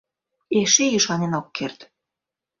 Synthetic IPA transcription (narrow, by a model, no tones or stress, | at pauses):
eʃejyʃɑnenokːert̪